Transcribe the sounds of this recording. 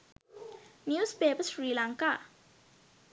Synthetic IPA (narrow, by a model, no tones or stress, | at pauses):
njuspeːpəsɹilaŋka